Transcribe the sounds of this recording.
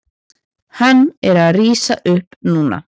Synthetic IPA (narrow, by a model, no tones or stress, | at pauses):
hanːɛɾaðriːsa̰ʔʏhpnuːna̰